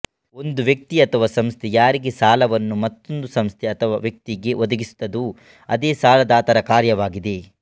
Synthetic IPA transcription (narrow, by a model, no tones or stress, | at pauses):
o̞nd̪uʋjɐk̚t̪iɐt̪ʰɐʋɐsɐmst̪ʰejaːɾiɡe̞saːlɐʋɐnːumɐt̪ːo̞nd̪usɐmst̪ʰeɐt̪ʰɐʋaʋjɐk̚t̪iɡe̞ʔod̪ɐɡisu̥t̪ːɐd̪u | ɐd̪eːsaːlɐd̪aːt̪ɐɾɐkaːɾjɐʋaːɡid̪e̞